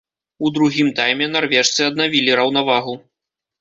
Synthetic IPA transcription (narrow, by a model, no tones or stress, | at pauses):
ud̪ɾuɣʲimt̪ajmʲɛnarvʲɛʂt̪sɨɐd̪̚navʲilʲiɾɐwnavaɣu